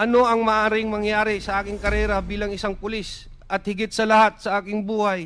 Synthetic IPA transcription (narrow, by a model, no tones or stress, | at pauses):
ʔɐno̞ʔɐŋmɐʔaːɾɪŋmɐŋjaːɾɪsɐʔaːkɪŋkɐɾɛːɾɐbiːlɐŋɪsaŋpʊlis | ʔɐt̪̚hɪɡɪt̪̚sɐlɐhat̪̚sɐʔaːkɪŋbuːhɐj